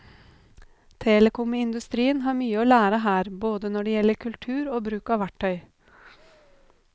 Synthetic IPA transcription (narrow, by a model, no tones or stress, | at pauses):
t̪ʰeːləkʊməɪnd̪ʉst̪ɾiːənɦɑːɾmyːəoːlæːɾəɦæːɾboːd̪ənɔɖɛjɛlːəɾkʰʉlt̪ʰʉːɾoːbɾʉːkɑːʋæʈʰːœʏ